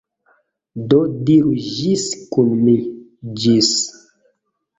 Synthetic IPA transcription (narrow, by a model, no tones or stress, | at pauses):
dodiɾuʒiskunmid͡ʒis